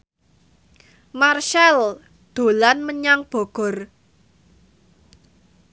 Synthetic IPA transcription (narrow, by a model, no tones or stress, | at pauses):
marʃal | d̪̥o̤lanməɲaŋb̥ɔ̤ɡ̥ɔ̤r